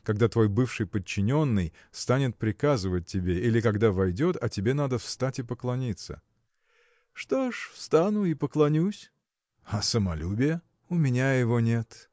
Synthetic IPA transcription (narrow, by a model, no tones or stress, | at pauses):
kɐɡ̚d̪at̪vo̞jbɨfʂɨjpət͡ɕːɪnʲo̞nːɨj | st̪anʲɪt̪̚pɾʲɪkazɨvət̚ʲtʲːɪbʲe̞ilʲɪkɐɡd̪avɐjdʲot̪ɐtʲɪbʲe̞nad̪əfst̪atʲɪpəklˠɐnʲit̪sə̰ | ʂt̪oʂfst̪anʊipəklˠɐnʲusʲ | ɐsəmɐlʲubʲɪjə | ʊmʲɪnʲajɪvo̞nʲe̞t̪